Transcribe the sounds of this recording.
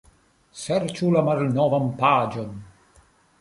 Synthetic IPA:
sɛrt͡ʃulamaɾnɔːvampaːd͡ʒɔn

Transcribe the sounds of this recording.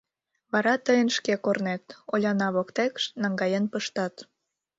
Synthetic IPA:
βɑɾɑt̪əjənʃkekornet̪olʲɑnɑβokt̪ekʃnɑŋɡɑjenpəʃt̪ɑt̪

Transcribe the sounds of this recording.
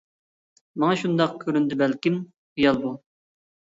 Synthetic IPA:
mɑŋɑʃund̪ɑq̚kʲʰøɾynd̪ɪbælkʲim | χijɑlˠbu

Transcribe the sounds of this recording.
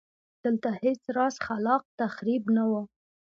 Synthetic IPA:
d̪̥əlt̪ahet͡sɾɑsxalɑq̚t̪axɾibnawə

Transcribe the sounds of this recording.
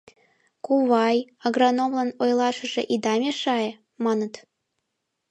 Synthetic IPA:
kuβɑjɑɣrɑnomlɑnojlɑʃə̆ʒeʔid̪ɑmʲeʃɑe | mɑnə̆t̪

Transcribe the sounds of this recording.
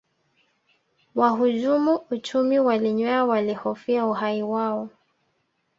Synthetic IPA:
waɦuʄumuut͡ʃumiwaliɲwɛawalihɔfiauɦaiwaɔ

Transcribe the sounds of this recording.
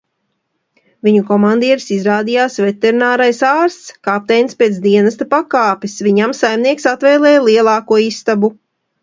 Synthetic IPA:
viɲukɔmand̪iɛɾisizɾaːd̪ijaːsvet̪eɾinaːɾajsaːɾst̪skap̚t̪ɛjnspʲiɛːsd̪iɛnast̪apakaːpisvʲiɲamsajmniɛksat̪vɛjlˠɛːjlˠiɛlˠɑːkuɔist̪abu

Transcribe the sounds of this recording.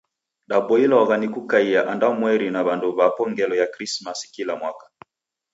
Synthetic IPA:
ɗabɔilawaɣanikukaiaʔandaɔmwɛɾinaβandɔβapɔŋɡɛlɔjakɾismaskilamwakḁ

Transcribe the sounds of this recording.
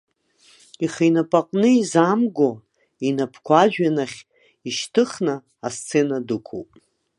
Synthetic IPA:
iχejnapʼaqʼnɨizamɡʷo | inapʰkʷʰaʒᶣanaχʲ | iʃtʰɨχna | ast͡sʰenadɨkʷʰo̰wpʼ

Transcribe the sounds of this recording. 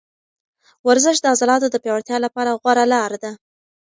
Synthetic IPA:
waɾzəʃd̪əazɑlɑt̪od̪əpjɑwaɽt̪jɑlapɑɾaɣwaɾalɑɾd̪a

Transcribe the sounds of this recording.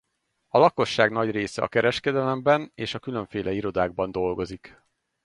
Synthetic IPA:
ɒlɒko̞ʃːaːɡnɒɟreːsɛ̰ɒ̰kɛɾɛʃkɛd̪ɛlɛmbɛneːʃɒkyløɱfeːlʔɛiɾo̞d̪aːɡ̚bɒn̪d̪o̞lɡo̞zik

